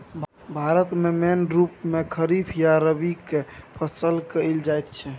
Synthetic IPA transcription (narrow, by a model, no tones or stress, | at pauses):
bʱaɾət̪memenɾupmekʰəɾipʰjaɾəbikepʰəsəlkəɪld͡ʒajt̪t͡ʃʰɛ